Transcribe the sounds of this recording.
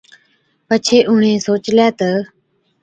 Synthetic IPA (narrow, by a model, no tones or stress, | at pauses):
pət͡ʃʰeːʔʊɳẽːsoːt͡ʃljaːt̪ə